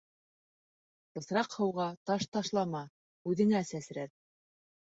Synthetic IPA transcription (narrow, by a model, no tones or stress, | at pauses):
bɤ̆θɾɑqhɤ̆wʁɑt̪ɑʃt̪ɑʃlˠɑmɑ | ʉðɘ̆ŋæsæsɾæt̪̚